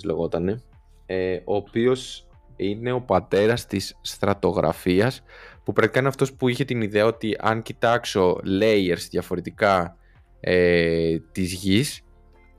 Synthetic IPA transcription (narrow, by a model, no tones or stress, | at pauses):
leɣo̞t̪ɐne̞ | eo̞ːpio̞s | ine̞o̞pɐt̪e̞ɾɐst̪isːt̪ɾɐt̪o̞ɣɾʔɐ̰fiɐspupɾɐkt̪ikɐineɐft̪o̞spuiçe̞t̪iniðe̞ɐo̞t̪iʔɐ̰ŋcit̪ɐkso̞le̞je̞ɾzðʝɐfo̞ɾe̞t̪ikɐ | et̪izʝis